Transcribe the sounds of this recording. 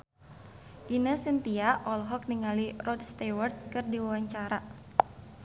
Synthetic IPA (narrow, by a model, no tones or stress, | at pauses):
ʔinəsint̪iaʔɔlɦɔk̚niŋalirɔdst̪ɛwɔrt̪̚kɨrdiwawaɲt͡ʃaɾa